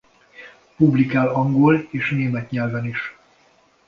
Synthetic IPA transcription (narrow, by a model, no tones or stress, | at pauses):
publikaːlɒŋɡoleːʃneːmɛt̪ɲɛlvɛniʃ